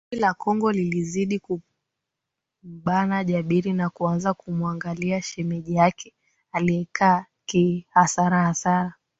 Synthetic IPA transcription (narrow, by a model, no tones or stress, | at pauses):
ilakɔŋɡɔliliziɗiku | m̩ɓanaʄaɓiɾinakuanzakumwaŋɡaliaʃɛmɛʄiakʰɛ | aliɛkʰaː | kihasaɾahasaɾa